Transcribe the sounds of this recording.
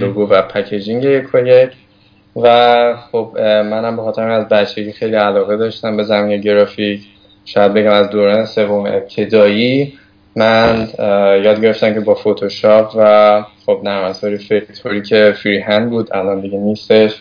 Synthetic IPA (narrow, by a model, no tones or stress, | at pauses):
loɡovæpʰæcʰed͡ʒiŋɟejekʰojecʰ | væχob̥mænhæmbexɒt̪ʰe̞ɾæmnæzbætt͡ʃʰːe̞ɟixejliælɒːɣe̞d̪ɒːʃt̪æmbe̞zæmiːneɟe̞ɾɒːficʰ | ʃɒːjæd̪̚be̞ɟæmæzd̪oːɾɒːne̞se̞vomḛʔep̚t̪ʰe̞d̪ɒːjiː | mænjɒːd̪̚ɟe̞ɾeft̪æmcʰe̞bɒːfot̪ʰoʃɒːpʰvæχo̞bnæɾmæt̪ɒːɾifeɾit̪ʰoɾiːcʰe̞fiɾiːɦænbuːd̪ælɒnd̪iɡeniːst̪e̞ʃ